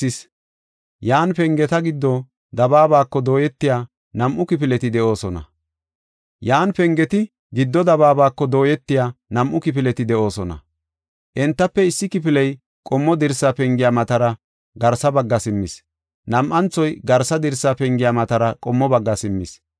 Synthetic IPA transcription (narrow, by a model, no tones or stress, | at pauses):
ɪs | jaːnpɛŋɡɛt̪ɐɡɪd̪ːɔ | d̪ɐbaːβaːkːɔd̪o̞ːjɛt̪ːɪjaː | nɐmʔʊkɪpɪlɛt̪ɪd̪ɛʔo̞ːsɔnɐ̰ | jaːnpɛŋɡɛt̪ɪ | ɡɪd̪ːɔd̪ɐβaːbaːkːɔd̪o̞ːjɛt̪ːɪjaːnɐmʔʊkɪpɪlɛt̪ɪd̪ɛʔo̞ːsɔnɐ̰ | ʔɛnt̪ːɐpːɛɪsːɪkɪpɪlɛj | kʼɔmːɔd̪ɪɾsapɛŋɡɪjaːmɐt̪ɐɾɐ | ɡɐɾsɐbɐɡːɐsɪmːɪs | nɐmʔɐnt͡sːɔjɡɐɾsɐd̪ɪɾsːapɛŋɡɪjaːmɐt̪ɐɾɐkʼɔmːɔbɐɡːɐsɪmːɪs